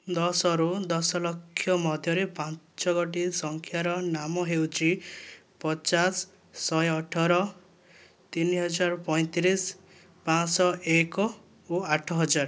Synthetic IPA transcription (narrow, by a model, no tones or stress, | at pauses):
d̪ɔsɔɾud̪ɔsɔlɔkʰːjɔmɔd̪ʱjɔɾepãn | t͡ʃɔɡɔʈ̬isɔŋkʰjaɾɔnamɔɦewt͡ʃʰipɔt͡ʃasː | ɔjɔʈʰɔɾɔ | t̪iniɦɔd͡ʒaɾpɔj̃t̪ɾis | pãsɔʔekɔ | oaʈʰɔɦɔd͡ʒaɾɔ